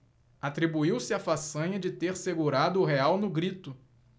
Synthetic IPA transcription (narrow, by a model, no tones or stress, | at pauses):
at̪ɾibuiwsɪafasɐ̃ɲɐd͡ʒɪt̪eɾseɡuɾad̪ʊːɦeawnʊɡɾit̪ʊ